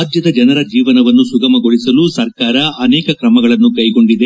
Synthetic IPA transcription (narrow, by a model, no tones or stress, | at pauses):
d̪jɐd̪ɐd͡ʒɐnɐɾɐd͡ʒiːʋɐnɐʋɐnːusuɡɐmɐɡo̞ɭisɐlusɐɾkaːɾɐɐnɛːkɐkɾɐmɐɡɐɭɐnːukɐjɡo̞ɳɖid̪e